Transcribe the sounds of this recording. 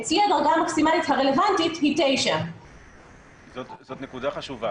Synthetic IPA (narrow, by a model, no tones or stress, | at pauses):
t͡siadaʁɡaːmaksimalithaʁe̞le̞vantitɦitejʃa | zotzot̪nekudaχaʃuva